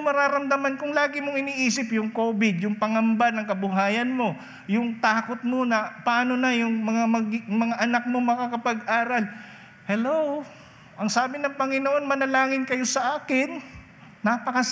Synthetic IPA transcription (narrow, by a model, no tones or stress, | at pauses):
mɐɾaːɾɐmd̪ɐmankʊŋlaːɡɪmoŋɪniːʔiːsɪpjʊŋko̞ːbɪd̪jʊŋpɐŋɐmbanɐŋkɐbʊɦaːjɐnmo̞ | jʊŋt̪aːko̞t̪̚monɐpɐaːno̞nɐjʊŋmɐŋamɐɡmɐŋaʔɐnak̚momɐkakɐpɐɡʔaːɾɐl | hɛlow | ʔɐŋsaːbɪnɐŋpɐŋɪnoʔo̞nmɐnɐlaːŋɪnkɐjo̞sɐʔaːkɪnː | apɐkɐ